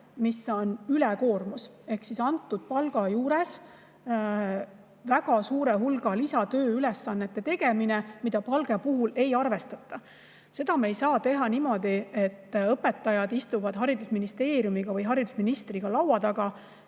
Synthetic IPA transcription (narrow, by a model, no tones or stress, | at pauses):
misːo̞nylɛko̞ːrmus | e̞hksisɑnt̪ːˑud̪̥̚pɑlɡ̥ɑjuːɾe̞s | væɡ̥ɑsuːɾeɦulɡ̥ɑlisɑt̪ø̞ːylesːɑnːet̪ːet̪e̞ɡ̥e̞minemid̪̥ɑpɑlɡ̥epuɦule̞jɑrve̞st̪ɑt̪ˑːɑ | se̞d̪̥ɑmejsɑːt̪e̞ɦɑnimo̞d̪ie̞t̪ːɤpːˑe̞t̪ːˑɑjɑd̪ist̪uvɑd̪̥ɦɑɾid̪usminist̪e̞ːɾjumiɡ̥ɑvɤjɦɑɾid̪usminist̪riɡ̥ɑlɑwɑd̪̥ɑɡ̥ɑ